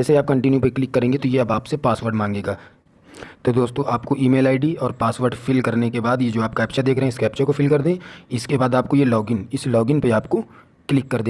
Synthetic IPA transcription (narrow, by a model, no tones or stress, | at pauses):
d͡ʒɛːseaːp̚kɐ̃ɳʈɪnjupɐɾklɪkːɐɾẽːŋɡet̪ojeɐbaːpsepaːsʋəɾɖmãːŋɡẽːɡaː | t̪od̪oːst̪õːʔaːpkoʔiːmeːlaːɪɖiɔːɾpaːsʋəɾɖfɪlkɐɾnekebaːd̪jed͡ʒoːaːp̚kaɛːpt͡ʃad̪eːkʰɾɐɦɛ̃ɪskɛːpt͡ʃɐkofɪlkɐɾd̪ẽɪskebaːd̪aːp̚kojelɔːɡɪnɪslɔːɡɪnpeaːpko | klɪkːɐɾd̪eː